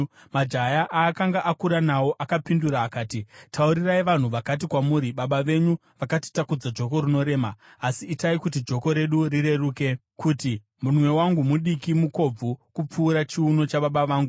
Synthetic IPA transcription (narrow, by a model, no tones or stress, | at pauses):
mad͡ʒajaʔaːkaŋɡaʔakuɾanawo̞ʔakapinduɾaːkaːtitʰauɾiraiʋan̤uʋakat̬ikwamuːɾiɓaɓaʋe̞ɲu | ʋakati̥takud͡zad͡ʒo̞ko̞ɾino̞ɾe̞ːmaː | siːtaikutid͡ʒo̞ko̞ɾe̞ɗuɾiɾe̞ruːke̞ | kʰuti | munwe̞waŋɡumuɗikimuko̞b͡vukup͡fuːɾat͡ʃiuno̞t͡ʃaɓaɓaʋaːŋɡu